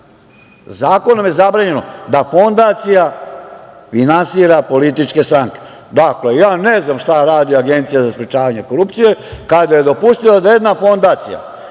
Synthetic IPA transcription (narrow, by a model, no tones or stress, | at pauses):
zaːko̞nomje̞zabɾaːɲe̞nod̪afo̞nd̪at̪sija | finansiːɾapo̞lit̪it͡ʃke̞st̪ɾaŋke̥ | d̪akle̞jaːneznamʃt̪aɾaːd̪iaɡe̞nt̪sijazaspɾet͡ʃaːʋaɲe̞koɾupt̪sije̞kad̪aje̞d̪o̞pust̪ilad̪aje̞d̪nafo̞nd̪at̪sḭja̰